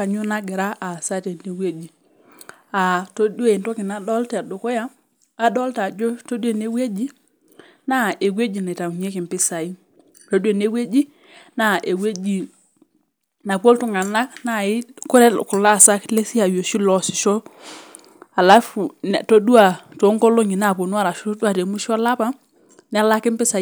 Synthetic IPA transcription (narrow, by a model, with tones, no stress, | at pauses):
ka˨ɲu˦na˦ɡɛ˨ɾa˦ʔa˨sa˦te˨ne˨we˦d͡ʒi˨ | a˨to˦du˦a˨i˨nto˦ki˨na˦dɔ˦ltɛ˨do˨ko˦ja˦ | a˨dɔ˦lta˨d͡ʒo˦to˦de˦˨ne˦we˦d͡ʒi˦ | na˦e˨we˦d͡ʒi˨na˨ta˨ŋ˨ɲe˦ki˨mpi˦sa˨i˦ | to˦du˦e˨ne˦we˦d͡ʒi˦ | na˦˨ʔe˨we˦d͡ʒi˨ | na˨p̬o˦ltu˦ŋa˨na˦kna˦˨i˦ko˦ɾɛ˦ku˨la˦˨sa˦kle˦si˦a˨jo˨ʃi˦lɔ˨si˨ʃo˦ | a˨la˦fu˨n˨to˦du˦a˨to˨˦ŋko˦lo˦ɲi˨na˦˨po˨nu˦a˦ɾa˨ʃo˦o˦du˦a˨te˨mu˦ʃɔ˦la˦pa˦ | nɛ˦a˦la˦kɪ˦mpɪ˦sa˨˦